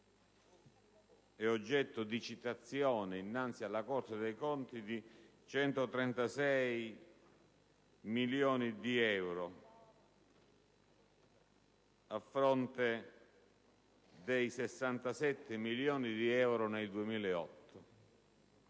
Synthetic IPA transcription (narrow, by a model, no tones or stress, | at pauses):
ɛod͡ʒːɛt̪ːʊd̪it͡ʃit̪at̪sːjɔːnɪinːant̪sialːakort̪ad̪ejkɔnt̪id̪i | t͡ʃɛnt̪ot̪ɾɛnt̪asɛj | miljɔːnid̪iɛwɾo | afːɾɔnt̪e | d̪ejsesːant̪asɛt̪ːɪmiljɔːnid̪iɛwɾoneld̪uemiːleɔ̰t̪ʰːo